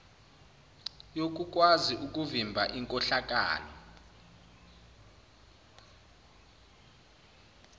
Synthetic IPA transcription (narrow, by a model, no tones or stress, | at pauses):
jok̬ʼuk̬ʼwaziʔuk̬ʼuvimbʱa̰ʔiŋkʼɔɬak̬ʼa̰ːlɔ